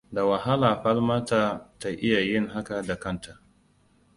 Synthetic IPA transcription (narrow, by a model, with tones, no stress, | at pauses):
da˨wa˨ha˦laː˨ɸɐ˦lma˦ta˦ta˨ʔɪ˦ja˨jɪ˦ŋɦa˦ka˨da˨kɐ˦˨ntʰa˨ʔ